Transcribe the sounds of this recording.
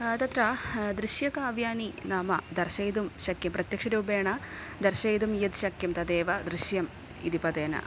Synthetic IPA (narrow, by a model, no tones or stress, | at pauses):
t̪ɐt̪ɾad̪ɾiɕjɐkaːʋjaːninaːmɐ̰d̪ɐrʃɐjd̪umɕɐkjɐmprɐt̪jɐkʂɐɾuːbeːɳɐd̪ɐrɕɐjd̪umjɐd̪ɕɐkjɐmt̪ɐd̪eːʋɐd̪ɾiɕjɐm | ḭd̪ipɐd̪eːnɐ̰